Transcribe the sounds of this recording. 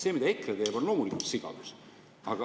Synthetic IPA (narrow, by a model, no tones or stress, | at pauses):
se̞ːmid̪ɑekːˑet̪e̞ːbo̞nlo̞ːmulikult̪siɡ̥ɑ̰vus | ɑɡ̥ɑ